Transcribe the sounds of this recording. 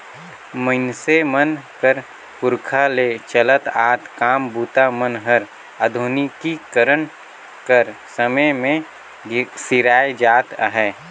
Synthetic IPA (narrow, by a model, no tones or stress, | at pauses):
mənsemənkəɾ | pʊɾkʰaleːt͡ʃələt̪aːt̪kaːmbuːt̪amənɦəɾ | əd̪ʱʊnikikəɾən | kəɾsəməjmẽ | sɪɾaːed͡ʒaːt̪əɦɛː